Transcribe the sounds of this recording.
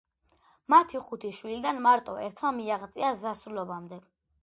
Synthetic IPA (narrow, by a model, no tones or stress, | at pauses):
mat̪ʰiχut̪ʰiʃwilid̪anmaɾt̪ʼɔɛɾt̪ʰmamiaʁt̪sʼiazasɾulɔbamd̪ɛ